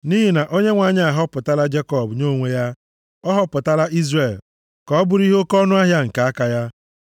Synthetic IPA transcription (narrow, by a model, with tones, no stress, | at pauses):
ni˦ɦi˦na˨ʔo˦ɲe˦ŋʷa˨ɲ˦a˨ɦɔ˦pʊ˨ta˦la˦d͡ʒe˦kɔ˨bɲo˦˨ŋʷe˦ja˦ | ɔ˦ɦɔ˦pʊ˨ta˦la˦ʔi˦zre˨l | kɔ˨ɔ˦bʊ˨ɾi˦ɦo˦kɔ˦nʊ˦a˦ɦja˦ŋ̩˨ka˨a˦ka˨ja˦